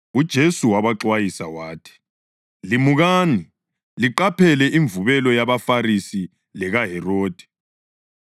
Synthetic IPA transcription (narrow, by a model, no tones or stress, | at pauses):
ud̥ʒ̥ʱesuwaβaǁwajisawaːtʰi̥ | limuɣaːni | liǃapʰɛlɛʔiɱvuβɛlɔjaβafarisi | lɛɣaɦɛroːd̥ʱɛ̥